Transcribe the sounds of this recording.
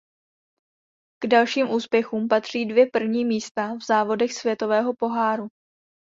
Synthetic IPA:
ɡ̥dalʃiːmʔuːspjɛxuːmpat̪r̝̥iːdvjɛpr̩vɲiːmiːst̪avzaːvo̞dɛxsvjɛt̪o̞vɛːɦo̞po̞ɦaːɾu

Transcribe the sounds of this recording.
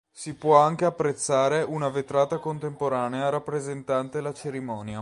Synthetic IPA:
sipwɔaŋk̟eapːɾet̪sːaːɾeʔunavet̪ɾaːt̪akont̪empoɾaːneaɾapːɾezent̪ant̪elːat͡ʃeɾimɔːnja

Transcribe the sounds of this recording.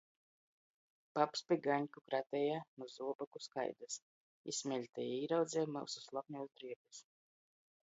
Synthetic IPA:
papspʲiɡaɲkukɾat̪ɛjanuzuɔbakuska̰jd̪as | ḭsmʲɛlʲt̪ɛjiːɾawd̪zʲɛmawsuslˠap̚nuɔzd̪ɾiɛb̪is

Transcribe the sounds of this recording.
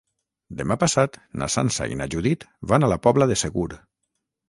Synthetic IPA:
d̪emapasat̪na̰sa̰nsa̰ḭnaʒuðit̪βanalapɔβlaðeseɣuɾ

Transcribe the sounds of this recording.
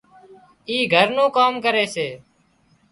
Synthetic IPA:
iːɡʱəɾnũːkaːmkəɾeːseː

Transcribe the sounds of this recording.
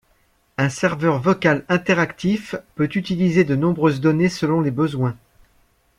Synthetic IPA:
ɛ̃sɛʁvœʁvɔkalɛ̃t̪ɛʁakt̪ifpøt̪yt̪ilized̪ənɔ̃bʁøzd̪ɔnesəlɔ̃lebəzwɛ̃

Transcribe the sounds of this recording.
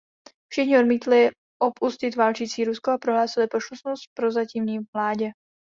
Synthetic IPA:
fʃɪxɲɪo̞dmiːt̪lɪ | ʔopuscɪt̪vaːlt͡ʃiːt͡siːɾuskoapɾoɦlaːsɪlɪpɾoʃlusnost̪̚pɾo̞zaciːmɲiːmlaːɟɛ

